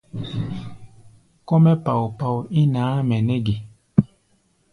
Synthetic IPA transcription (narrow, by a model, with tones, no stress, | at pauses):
kɔ˦mɛ˦pa˨wpa˨wi˦naː˨˦mɛ˨ne˦ɡe˨